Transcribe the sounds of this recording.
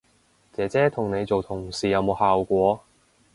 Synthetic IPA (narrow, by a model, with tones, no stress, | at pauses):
t͡sɛː˨˧t͡sɛː˨˥t̪ʰʊ˨˩ŋne˨˧jt͡so˨wt̪ʰʊ˨˩ŋsiː˨jɐ˨˧wmo˨˧whaː˨wkʷɔː˨˧˥